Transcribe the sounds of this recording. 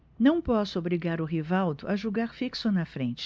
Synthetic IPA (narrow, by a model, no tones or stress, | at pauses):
nɐ̃w̃pɔsʊobɾiɡaɾʊɦivawd̪ʊʔaʒoɡaɾfiksʊnɐfɾẽnt͡ʃɪ̥